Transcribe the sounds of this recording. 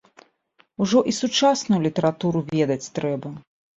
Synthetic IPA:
uʐɔʔisut͡ʂasnujulʲit̪ɐɾat̪uɾuvʲɛd̪ɐt͡sʲt̪ɾɛbɐ

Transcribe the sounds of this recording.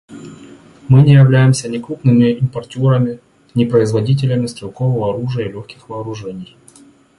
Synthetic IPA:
mɨnʲɪjɪvlʲæjɪmsʲənʲɪkɾupnɨmʲɪɪmpɐrtʲoɾəmʲɪ | nʲɪpɾəɪzvɐdʲit̬ʲɪlʲəmʲɪst̪ɾʲɪlˠkovəvəɐɾuʐɨjəilʲoxkʲɪxvɐːɾʊʐɛnʲɪj

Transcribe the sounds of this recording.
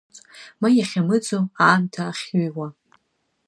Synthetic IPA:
t͡sʼmajaχʲamɨd͡zʼoaːmtʰaːχʲɥuwa

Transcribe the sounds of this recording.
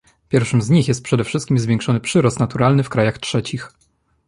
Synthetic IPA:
pʲjɛɾfʂɘmzɲixjɛst̪̚pʂɛd̪ɛfʂɘst̪kʲimzvʲjɛ̃ŋkʂɔnɘpʂɘɾɔst̪nat̪uɾalnɘfkɾajaxtʂɛt͡ɕix

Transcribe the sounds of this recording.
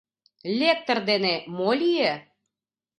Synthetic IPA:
lʲek̚t̪ərd̪enemolʲije

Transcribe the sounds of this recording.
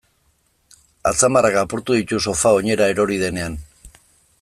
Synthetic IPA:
a̰t͡samarakapuɾt̪uðit̪uso̞fao̞ɲe̞ɾae̞ɾo̞ɾið̞e̞ne̞an

